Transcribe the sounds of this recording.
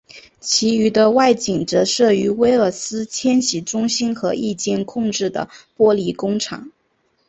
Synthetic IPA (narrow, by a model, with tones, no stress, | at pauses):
t͡ɕʰi˧˥y˧˥d̪ə˧wa˥˩ɪt͡ɕi˨˩ŋʈ͡ʂɤ˧˥ʂɤ˥˩y˧˥we˥ɪə˞˥˩sɹ̩˥t͡ɕʰjɛ˥nɕi˨˩ʈ͡ʂʊ˥ŋɕi˥nxɤ˧˥i˥˧t͡ɕjɛ˥˧nkʰʊ˥˧ŋʈ͡ʂɻ̩˥˩d̪ə̰˩pwɔ˥li˧˥kʊ˥ŋʈ͡ʂʰɑ̰˨˩˦ŋ